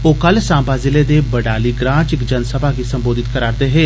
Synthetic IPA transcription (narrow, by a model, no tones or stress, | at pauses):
oːkəlsãːmbaːzɪleːd̪eːbəɖaːliːɡɾãːt͡ʃɪkd͡ʒənsəbʱaːkisəmboːd̪ʱɪt̪kəɾaːɾd̪eːɦeː